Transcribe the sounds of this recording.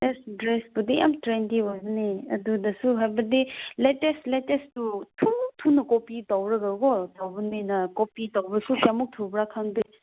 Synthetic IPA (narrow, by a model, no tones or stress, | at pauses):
esdɾesbudiʔa̰mtɾentiwazniɐ̰dudɐsuɦajbɐdiletestletestutʰum̚tʰunɐkopitawɾɐɡɐɡotawbɐninɐkopitawbɐsukamuk̚tʰubɾakʰaŋdi